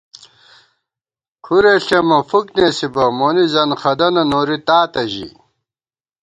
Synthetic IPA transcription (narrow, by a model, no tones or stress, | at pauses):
kʰuɾeɬemɐfuknesibɐmonizɐnxɐd̪ɐnɐnoːɾit̪aːt̪ɐʑḭ